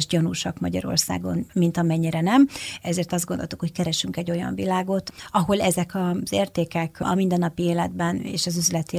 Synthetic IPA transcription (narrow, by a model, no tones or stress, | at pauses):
ʒɟɒnuʃɒkmɒ̰ɟɒ̰ɾo̞̰rsa̰ːɡo̞̰nmint̪ɒmɛɲːiɾɛnɛmɛzeːrt̪ɒzd̪ɡond̪olt̪ukho̞ckɛɾɛʃyŋkɛɟːo̞jɒ̰ɱvilaːɡo̞t̪ɒɦo̞lɛzɛkɒz̥eːrt̪eːkɛkɒ̰mind̪ɛnːɒpieːlɛd̪bɛnḛːʃɒzyzlɛt̪i